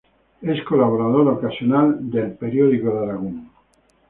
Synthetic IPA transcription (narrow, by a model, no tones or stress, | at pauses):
eskolaβ̞oɾaðoɾokasjonald̪elpeɾjoðikoðaɾaɣuŋ